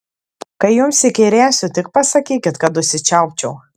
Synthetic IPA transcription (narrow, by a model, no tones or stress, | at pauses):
kɐɪjʊmsʲɪkʲɛɪɾʲeːsʲʊt̪ʲɪk̚pɐsɐkʲiːkʲɪt̪kɐt̪ʊʃʲsʲɪt͡ʃʲɛʊpʲt͡ʃʲɛʊ